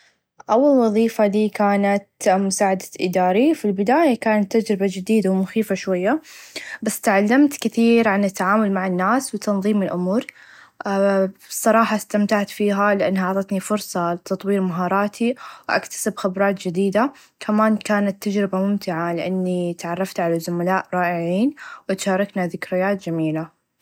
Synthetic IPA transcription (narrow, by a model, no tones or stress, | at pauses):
ʔawːalwɑðˤiːfad̪iːkaːnat̪mʊsaːʕad̪ḁʔɪ̰d̪aːɾifilbɪd̪aːjakaːnat̪ːad͡ʒɾɪbad͡ʒɪd̪iːd̪awmʊxiːfaʃwajːabasːt̪aʕalːamt̪kɪθiːɾʕanɪt̪ːaʕaːmʊlmaʕɪnːaːswɪt̪ɑnðˤiːmɪlʔʊmuːɾ | bɨsˤːɑɾˤɑːħɑst̪amt̪aʕt̪fiːɦalɪʔa̰nːaʕɑʕt̪ˤɑt̪nifʊɾsˤɑlɪt̪ɑt̪ˤwiːɾmaɦɑːɾˤɑːt̪ʰiwʔa̰kt̪ḁsɪbxabɾˤɑːt̪d͡ʒɪd̪iːd̪a | kʰamaːnkaːnat̪ːad͡ʒɾɪbamʊmt̪ɪʕalɪʔanːit̪ʕɑrˤːɑft̪ʕalazʊmalaːʔɾˤɑːʔɪʕiːnwɪt̪ʃɑːɾˤɑknaðɪkɾɪjaːt̪d͡ʒamiːla